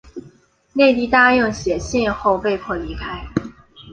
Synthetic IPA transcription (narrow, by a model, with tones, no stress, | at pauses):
ne˥˧ɪt̪i˥˧t̪a˥jɤ˥˩ŋɕjɛ˨˩ɕjɛ˥˧xo˥˧ʊpe˥˧ɪpʰwɔ˥˩li˨˧˥kʰa˦˥ɪ